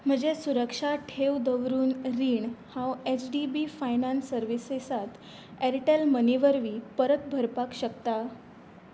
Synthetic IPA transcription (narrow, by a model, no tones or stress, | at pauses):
m̤əd͡ʑesuɾəkʂaʈʰewd̪əʋɾuːnɾiːɳhãwet͡ɕɖibifajnansəɾʋisesat̪ | eɾʈelməniʋəɾʋiːpəɾət̪̚bʱəɾpakɕəkt̪a